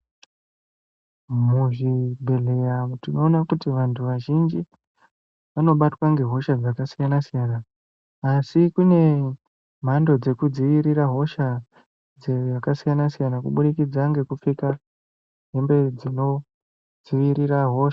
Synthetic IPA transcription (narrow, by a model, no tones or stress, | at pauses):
muʐibʱe̞ɮe̞jatino̞ːnakutiʋantʰuʋaʒind͡ʒi | ʋano̞ɓatwaŋɡe̞ɦo̞ʃad͡zakasijanasijanaː | sikune̞ | m̤ando̞d͡ze̞kud͡ziʋiɾiɾaɦo̞ʃa | d͡zeakasijanasijanakuɓuɗikid͡zaŋɡe̞kufika | ɦembe̞d͡zino̞ | d͡ziʋiɾiɾaɦo̞ʃa